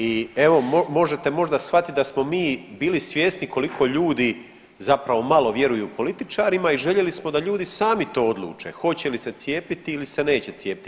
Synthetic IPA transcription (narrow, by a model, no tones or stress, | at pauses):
ie̞ʋo̞momo̞ʒe̞t̪e̞mo̞ʒd̪asfat̪it̪̚d̪asmo̞miːbiːlisʋje̞ːsnikʰo̞likʰo̞ʎuːd̪i | zapɾaʋo̞malo̞ʋje̞ɾujuːpo̞lit̪it͡ʃaːɾimaiʒe̞ʎe̞lismo̞d̪aʎuːd̪isaːmit̪o̞ːo̞d̪lˠṵːt͡ʃe̞̰xo̞t͡ɕe̞lise̞t̪sje̞ːpit̪iːlise̞ne̞ːt͡ɕe̞t̪sje̞ːpi̥t̪